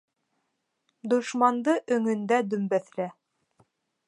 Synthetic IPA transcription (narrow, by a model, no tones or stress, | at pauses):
d̪ŏʃmɑnd̪ɤʔɵ̆ŋɵ̆nd̪æd̪ɵ̆mbæθlæ